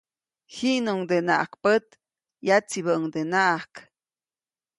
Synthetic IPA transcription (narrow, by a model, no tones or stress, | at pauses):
hinuŋd̪ena̰ʔa̰kpət̪ | jat͡siβəəŋd̪enaʔahk